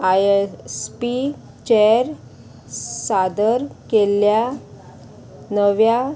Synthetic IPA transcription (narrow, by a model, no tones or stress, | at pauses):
ajespi | t͡ɕɛɾ | sad̪əɾkelja | nəʋja